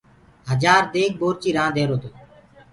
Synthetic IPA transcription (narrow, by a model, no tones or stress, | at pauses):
ɦəd͡ʒaːɾd̪eːk̚boːɾt͡ʃiːɾãːd̪ʱeːɾoːt̪oː